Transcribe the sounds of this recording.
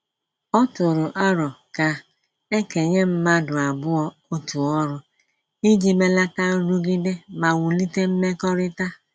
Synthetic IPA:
ɔ˦tʊ˨ɾʊ˨ʔa˦ɾɔ˨ka˨ | e˦ke˨ɲe˦m̩˦ma˦dʊ˨a˨bʊ˦ɔ˦ | o˦tu˨ɔ˦ɾʊ˨ | i˦d͡ʒi˦me˦la˦ta˦ɾu˦ɡi˦de˦ma˨wu˨li˦te˦m̩˦me˦kɔ˦ɾɪ˦ta˦

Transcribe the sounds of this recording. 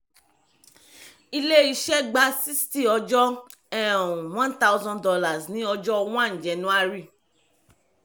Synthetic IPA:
i˧le˦i˧˦ʃɛ˦ɡ͡ba˦si˦sti˦˨ɔ˧d͡ʒɔ˦ | ɛ̃˦˨ũ˨w̃ɔ̃˦nta˦wzɔ̃˦ndɔ˧la˨znĩ˨˦ɔ˧d͡ʒɔ˦˧wɔ̃˦ã˦˨ñ̩˨d͡ʒɛ˨nũ˦a˦ɾi˦˨

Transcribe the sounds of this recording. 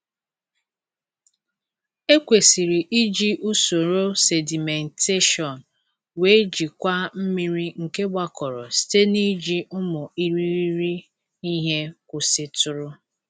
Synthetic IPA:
e˦kʷe˨si˨ɾi˨ʔi˦d͡ʒi˦ʔu˦so˨ɾo˦se˨di˨me˨n˨te˦ʃɔ˨n˨ | we˨˦d͡ʒi˨kʷa˦m̩˦mi˦ɾi˦ŋ̩˨ke˦ɡ͡ba˦kɔ˨ɾɔ˨ste˦ni˦d͡ʒi˦ʊ˦mʊ˨i˦ɾi˦ɾi˦ɾi˦ | i˦ɦe˦kʷʊ˨sɪ˦tʊ˨ɾʊ˦

